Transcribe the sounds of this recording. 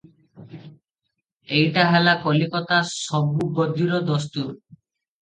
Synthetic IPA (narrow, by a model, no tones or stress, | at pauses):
ejʈaɦelakɔlikɔt̪asɔbubɔd̪ʱiɾɔd̪ɔst̪uɾ